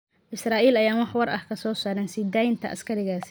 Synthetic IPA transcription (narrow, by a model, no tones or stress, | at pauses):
ʔɪsraːʔiːlɐjaːmɑħwɐɾʔɐ̰hkʰɐsɔːsaːɾɛːnsiːd̪aːjɪnt̪ʰɐ̰ʔɐ̰skʰɐɾɪɣaːs